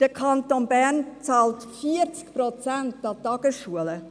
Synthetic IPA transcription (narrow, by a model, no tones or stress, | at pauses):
d̥əkʰɑntonbænt͡sɑːltfiəɾt͡skpɾot͡sæntɑtɑɡ̥əsʃuələ